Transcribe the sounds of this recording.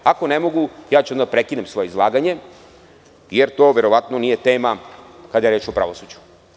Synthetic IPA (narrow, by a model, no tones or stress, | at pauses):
ako̞nemo̞ɡujaːt͡ɕuond̪apɾekinemsʋo̞jeizlˠaːɡaɲe̞ | jeɾt̪o̞ːʋe̞ɾo̞ʋat̪no̞nije̞t̪e̞ːmakad̪ajeɾe̞ːt͡ʃopɾa̰ʋosud͡ʑu̥